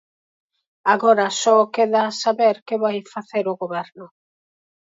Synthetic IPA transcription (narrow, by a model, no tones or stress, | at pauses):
aɣoɾasɔkeðaːsaβeɾkeβajfaθeɾʊɣoβɛɾnʊ